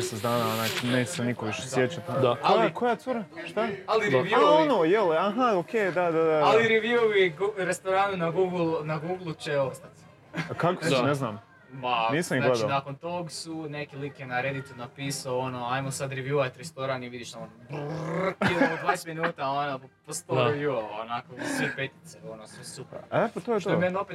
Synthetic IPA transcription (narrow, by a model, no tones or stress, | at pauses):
esezd̪aːnaonajneːt͡ʃe̥senikoʋiʃe̥sjet͡ʃat̪d̪akojakʰojat̪uɾaʃt̪aaliaʋaonojelaɦaokeːd̪ad̪ad̪aaliɾeʋjuoʋiɡuɾest̪oɾanunaɡuːɡlˠnaɡuːɡlˠut͡ʃeost̪at̪ | kakosneznaːm | paniːsamiɡled̪anakont̪oɡsunekilikjenaɾed̪it̪unapiːsaoonoajmosad̪ɾeʋjuʋat̪ɾest̪oɾaniʋid̪iʃnaonb | iood̪ʋaːneseminuːt̪aonopost̪oɾeʋjualonakousʋepet̪i̥t̪seonosʋesupepat̪ojeʃt̪omenope